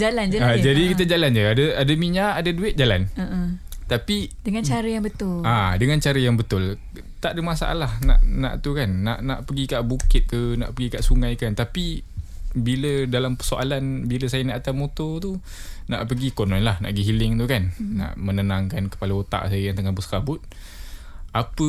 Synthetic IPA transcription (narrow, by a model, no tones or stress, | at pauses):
d͡ʒaland͡ʒəad͡ʒadikit̪əd͡ʒaland͡ʒəadəadəmiɲaːdaduɪt̪̚d͡ʒalan | t̪apidəŋant͡ʃaɾəjaŋbət̪ʊladəŋant͡ʃaɾəjaŋbət̪ʊl | t̪aʔdəmasa̰ʔa̰lahna̰ʔna̰ʔt̪ukanːa̰ʔna̰ʔpəɡikaʔbukɪt̪̚kəna̰ʔpəɡikaʔsuŋajkənt̪api | bilədalampərsoʔalanbiləsajənaʔat̪amot̪ɔt̪u | na̰ʔpəɡikonɔ̃nlahna̰ʔɡəɦilɪŋt̪ukanːa̰ʔmənənãŋkankə̥paləot̪a̰ʔsajəjaŋt̪əŋahbusə̥kabʊt̪̚ | ʔapə